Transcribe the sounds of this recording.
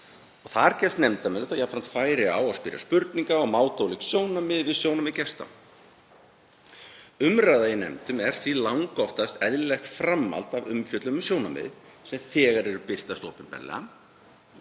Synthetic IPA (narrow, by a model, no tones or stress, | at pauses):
ɔɣθaɾcɛfst̪nɛmt̪amɛnaθajapfɾamn̥t̪faːjɾɪa̰waspɪːɾja̰spʏɾt̪niŋkaɔɣmaːwt̪owlɪksjoːwnamɪðvɪðsjownamɪðcɛst̪a̰ | ʏmɾajðaɪnɛ̰mt̪ʏmɛɾ̥θvilawŋkɔft̪ast̪ɛðlɛxt̪fɾamːa̰lt̪avʏmfjœt̪lʏmʏsjownamɪ̰ð | sɛmθɛːɣaɾɛɾʏpɪr̥t̪ast̪oːpɪmpɛ̰nlːɛ̰ɣam